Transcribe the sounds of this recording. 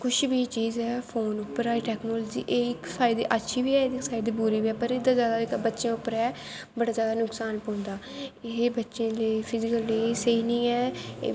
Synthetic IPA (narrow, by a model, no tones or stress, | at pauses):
kʊʃbiːt͡ʃiːzɛːpʰoːnʊpːəɾɛːʈɛːknoːlːd͡ʒḭːʔeːɪksaːɪd̪ḛːʔətːʃʰiːbiːɛːɪksaːɪd̪iːbuːɾiːbiɛːpəɾɪd̪aːzjaːd̪aːɪkbətːʃjãːʊpːəɾɛː | bəɽaːzjaːd̪aːnʊksaːnpɔ̃ːnd̪aːɪɦebətːʃẽːleːpʰɪzɪkəlːiːseinĩːɛː